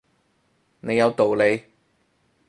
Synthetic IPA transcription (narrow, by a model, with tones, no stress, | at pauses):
ne˨˧jɐ˨˧wt̪o˨wle˨˧j